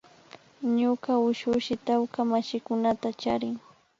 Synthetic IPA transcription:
ɲʊkaʊʃʊʃɪt̪awkamaʃɪkʊnat̪at͡ʃaɾɪŋ

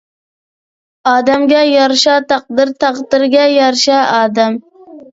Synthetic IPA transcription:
ɑːd̪ɛmɡʲɛjɑɾʃɑt̪ʰɑq̚d̪ɨɾt̪ʰɑqd̪ɨɾɡʲɛjɑɾʃɑɑːd̪ɛm

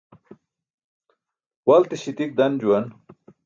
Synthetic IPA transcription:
wɐlt̪iɕit̪ik̚d̪ɐnd͡ʑuwɐn

